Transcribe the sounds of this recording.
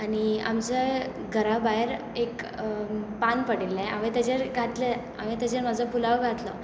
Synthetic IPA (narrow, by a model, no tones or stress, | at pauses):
ania̰mt͡sə | ɡʱəɾabaeɾ | ek | panpəɽilːɛ̃a̰ʋet̪ad͡ʑeɾɡʱat̪le | a̰ʋẽt̪ad͡ʑeɾmad͡zɔpulaʋɡʱat̪lɔ